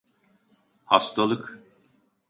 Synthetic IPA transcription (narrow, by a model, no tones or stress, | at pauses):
hafst̪ʰalˠɯk